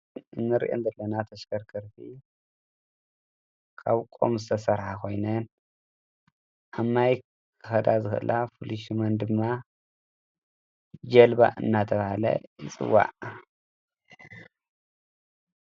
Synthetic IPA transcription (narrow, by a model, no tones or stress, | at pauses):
ɨnːɨɾḭʔo̰nzɐlːɐnat̪ʰɐʃkɐɾkʰɐɾfʰi | kʰaβkʼo̰mzɨt̪ʰɐsɐɾħakʰo̞jnɐn | ʔamːaj | kkʰɨ̥xɐd̪azɨxʔɨ̰lʔafuliʃmɐnd̪ɨmːa | d͡ʒɐlba̰ʔɨ̰nːat̪ʰɐβahalɐ̰jɨ̰t͡sʼɨ̰wːa̰ʕ